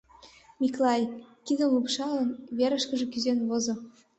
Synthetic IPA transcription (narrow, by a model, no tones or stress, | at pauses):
mʲiklɑjkid̪ə̆mlupʃɑlɤ̆nβeɾə̆ʃkə̆ʒĕkyzenβozŏ